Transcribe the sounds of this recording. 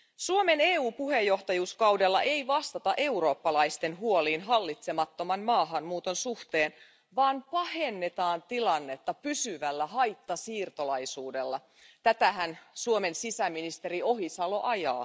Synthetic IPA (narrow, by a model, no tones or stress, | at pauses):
suome̞neːuːpuhe̞jːo̞ht̪ɑjuːskɑwdelːɑ̰ʔe̞jʋɑst̪ɑt̪ɑʔe̞uro̞ːpːɑlɑjst̪e̞nɦuo̞liːnɦɑlːit̪semɑt̪ːo̞mɑnmɑːɦɑnmuːt̪o̞nsuht̪eːn | ʋɑːnpɑhe̞nːe̞t̪ɑːnt̪ilɑnːe̞t̪ːɑpysyʋælːæɦɑjt̪ːɑsiːrt̪o̞lɑjsuːde̞lːɑ | t̪æt̪æɦænsuome̞nsisæminist̪e̞ɾio̞ɦisɑlo̞ʔɑjɑ̰ː